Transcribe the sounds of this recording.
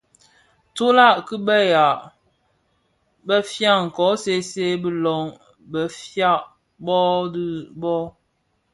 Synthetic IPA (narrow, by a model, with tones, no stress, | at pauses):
to˦la˦˨ʔkɨ˦bə˦ja˨ | bə˦fja˦˨ŋ̩˨kɔ˨˦se˦se˦bɨ˦lɔ˨˦ŋ | bə˨fja˦˨ʔ | bɔ˦dɨ˦bɔ˦